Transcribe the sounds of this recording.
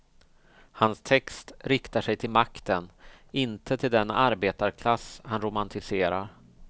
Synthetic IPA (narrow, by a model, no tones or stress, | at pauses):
hanst̪ʰɛkst̪ɾɪkt̪aʂɛjt̪ʰɪlmakt̪ənɪnt̪ʰət̪ʰɪld̪ɛna̰ɾbeːt̪aɾkʰlashanɾʊmant̪ʰɪseːɾaɾ